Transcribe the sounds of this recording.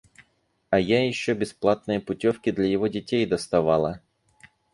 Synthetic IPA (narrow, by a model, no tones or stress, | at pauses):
ɐjajɪɕːobʲɪsplˠat̪nɨjəpʊtʲofkʲɪd̪lʲɐjɪvo̞dʲɪtʲejd̪əst̪ɐvalˠə